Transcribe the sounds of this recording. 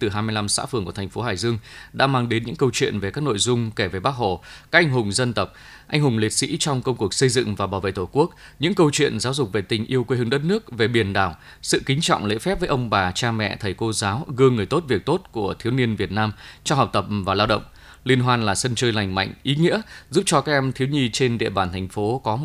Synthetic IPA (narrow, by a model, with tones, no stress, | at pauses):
t̪ɨ˨˩ɦaː˧jmɨ˧jla˧msa̰ː˧˥fɨ˨˩əŋku˧˩ət̪ʰa̟˨˩fo˨˦ɦaː˧˩jzɨ˧əŋɗa̰ː˧˥maː˧ŋɗe˨˦nɲɨ̰˧˥ŋkə˧wt͡ɕwḭ˧˨ənve˨˩kaː˦˥k̚no̰˧˨jzʊ˧ŋ͡mke˧˩ve˨˩ɓaː˦˥k̚ho̰˧˨kaː˦˥a˧jŋɦʊ˨˩ŋ͡mzə˧nt̪ə˨˩wk͡p̚ | ʔa˧jŋ̟hʊ˨˩ŋ͡mli˨˩ət̚sḭ˧˥t͡ɕɔ˧wŋ͡mkə˧wŋ͡mku˨˩ək̚sə˧jzɨ̰˧˨ŋvaː˨˩ɓaː˧˩wvḛ˧˨jt̪o˧˩ku˦˥ək̚ | ɲɨ̰˧˥ŋkə˧wt͡ɕwḭ˧˨ənzaː˨˦wzʊ˨˩k͡p̚ve˨˩t̪ï˨˩ŋ̟ʔi˧əwkwe˧˦hɨ˨˧ŋɗə˦˥t̚nɨ˦˥ək̚ve˨˩ɓi˧˩ənɗaː˧˩w | sɨ̰˧˨kï˨˦ŋt͡ɕɔ̰˧˨wŋ͡mlḛ˧˥fɛ˦˥p̚və˨˦jʔə˧wŋ͡mɓaː˨˩t͡ɕaː˧mɛ̰˧˨t̪ʰə˨˩jko˧zaː˨˦wɣɨ˧əŋːɨ˨˩əjt̪o˦˥t̚vi˨˩ək̚t̪o˦˥t̚ku˧˩ət̪ʰi˨˦wni˧ənvi˨˩ət̚naː˧mt͡ɕɔ˧ɦa˨˩wk͡p̚t̪ə˨˩p̚vaː˨˩laː˧wɗə̰˧˨wŋ͡m | li˧ənɦwaː˧nlaː˨˩sə˧nt͡ɕəː˧jla˨˩jŋ̟ma̰˧˨jŋ̟ʔi˨˦ŋḭ˧˥əzu˦˥p̚t͡ɕɔ˧kaː˦˥k̚ʔɛ˧mt̪ʰi˨˦wɲi˧t͡ɕe˧nɗḭ˧˨əɓaː˧˩nt̪ʰjŋ̟fo˨˦kɔ˨˦